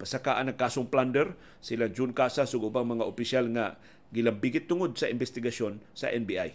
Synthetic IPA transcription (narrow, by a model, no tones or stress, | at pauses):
pasakaːʔanɐŋkaːsoŋpland̪ɛɾ | sɪlaŋd͡ʒunkasasʊɡʊbaŋmɐŋaʔʊpɪsalŋa | ɡɪlɐmbiɡɪt̪ːʊŋod̪̚sɐʔɪmbɛst̪ɪɡaso̞nsɐ̰ʔɛnbiʔa̰j